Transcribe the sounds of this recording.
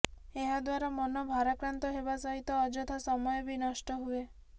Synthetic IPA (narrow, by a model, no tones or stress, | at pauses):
eɦad̪waɾamɔnɔbʱaɾakɾant̪ɔɦebasɔɦit̪ɔːd͡ʒɔt̪ʰasɔmɔjɔbinɔʃʈɔɦue